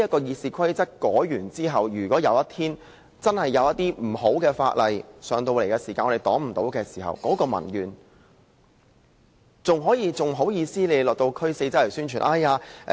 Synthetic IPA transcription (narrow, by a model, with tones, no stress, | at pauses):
ɐ˥t̚kɔː˧jiː˧tsiː˨kʰɐ˥jt͡sɐ˥t̚kɔː˨˥jyː˨˩nt͡siː˥ɦɐ˨wjyː˨˩kʷɔː˨˥jɐ̰˨˧wjɐ˥t̪ʰiː˥n | t͡sɐ˥nhɐ˨jːɐ˨˧wjɐ˥t̚t̪iː˥m̩˨˩ɦo˨˥wkɛː˧fa̰ː˧t̚lɐ˨jsœː˨˧ŋt̪o˧wle˨˩jkɛː˧siː˨˩kaː˧nɔ˧e˨˩t̪ɔː˨˥ŋm̩˨˩t̪o̰˨˥wkɛː˧si̥ː˨˩hɐ̰˨˩wkɔː˨˥kɔː˧mɐ̰˨˩njyː˨˩n | t͡sʊ˨ŋɦɔː˨˥jiː˧t͡sʊ˨ŋɦo˨˥wjiː˧siː˥le˨˧lɔː˨k̚t̪o˧wkʰɵ˥se˧jt͡sɐ˥lɐ˨˩syː˥nt͡ʃʰyː˨˩nʔa˥˧˩jaː˧